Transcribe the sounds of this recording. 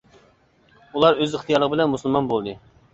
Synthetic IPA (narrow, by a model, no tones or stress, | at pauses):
ulˠɑɾøzɪχt̪ʰijɑɾlˠəʁəbɪlɛnmusɨlˠmɑnbolˠd̪ɨ